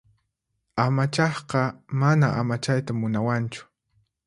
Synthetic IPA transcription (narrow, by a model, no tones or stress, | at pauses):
amat͡ʃɑχqɑmanaʔamat͡ʃajt̪amʊnawant͡ʃʊ̥